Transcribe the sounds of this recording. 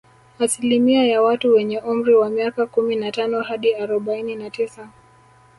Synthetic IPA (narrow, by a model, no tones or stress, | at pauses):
asilimiajawatuwɛɲɛʔum̩ɾiwamiakakuminatanɔhaɗiaɾɔɓaininatisa